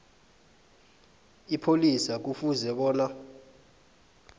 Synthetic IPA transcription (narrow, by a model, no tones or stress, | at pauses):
ipʰolisak̬ufuzɛɓɔːna